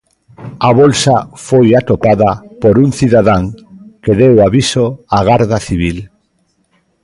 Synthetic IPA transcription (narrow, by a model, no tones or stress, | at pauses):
aβolsafojat̪opaðɐpoɾuŋθiðaðaŋkeðewaβisoaɣaɾðaθiβ̞il